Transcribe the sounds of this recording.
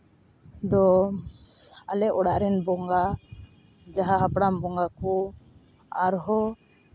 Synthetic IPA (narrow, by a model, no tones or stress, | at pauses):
d̪ɔ | alɛɔɽaʔɾɛnbɔŋɡa | d͡ʒaɦaɦapɽambɔŋɡakɔ | aɾɦɔ